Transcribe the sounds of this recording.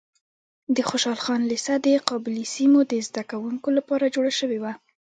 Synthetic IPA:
d̪əxoʃɑlxɑnlisad̪əqɑbɪlisimod̪əzd̪akawuŋkolapɑɾad͡ʒoɽaʃəwewa

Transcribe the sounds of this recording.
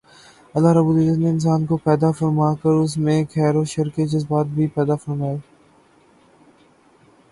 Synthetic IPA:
ɐlːaɾɐbuːlɪzət̪neɪns̬aːnkopɛːd̪afɐɾmaːkəɾʊs̬mẽkʰɛːɾoʃɐɾked͡ʒɪsbaːt̪̚bʱipɛːd̪afɐɾmaːeː

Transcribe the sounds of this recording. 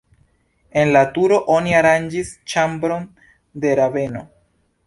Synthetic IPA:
e̞nlatuɾo̞ʔo̞niaɾand͡ʒist͡ʃambɾo̞n | de̞ɾave̞no̞

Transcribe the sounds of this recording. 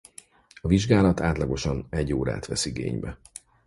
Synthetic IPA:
ɒviʒɡaːlɒt̪aːt̪lɒɡo̞ʃɒnɛɟːoːɾa̰ːt̪ʋɛsiɡḛːɲbɛ

